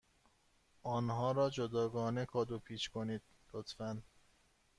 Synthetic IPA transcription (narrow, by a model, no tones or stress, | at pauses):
ʔɒːnhɒːɾɒːd͡ʒod̪ɒːɡɒːnekʰɒːd̪opʰiːt͡ʃkʰo̞niːd̪̥̚ | lot̪ʰfæn